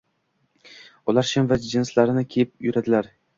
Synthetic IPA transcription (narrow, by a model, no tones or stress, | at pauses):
ʊlˠaɾʃɪmvad͡ʒɪnslaɾɪnɪkʲʰejɪp̚jʊɾad̪ɪlaɾ